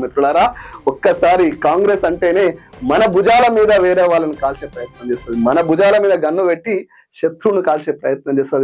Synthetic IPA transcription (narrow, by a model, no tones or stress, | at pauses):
met̪ɾuɽaːɾaːɔkːɐsaːɾikaːŋɡɾeːsɐɳʈe̞ːne̞ːmɐnɐbud͡ʒaːlɐmiːd̪ɐʋɛːɾɛːʋaːɭːɐnikaːlt͡ʃe̞ːpɾɐjɐt̪nɐmt͡ʃeːsaːd̪imɐnɐbud͡ʒaːlɐmiːd̪ɐɡɐnːuʋeʈːi | ʃɐt̪ɾunukaːlt͡ʃe̞ːpɾɐjɐt̪̚nɐmt͡ʃeːsaːd̪i